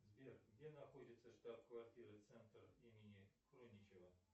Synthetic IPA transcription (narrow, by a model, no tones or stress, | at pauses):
zbʲerɡdʲenaxodʲɪt̪səʂt̪at̪kvarʲtʲiɾɨt̪sɛnt̪rimʲɪnʲɪxronʲɪt͡ɕɪvə